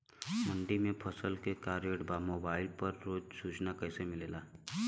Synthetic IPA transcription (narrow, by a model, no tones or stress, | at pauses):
mə̃ɳɖimẽpʰəsəlkekaːɾjeɽbamoːbaːɪlpəɾːoːd͡ʒsuːt͡ʃnakɛɦsemɪleːlaː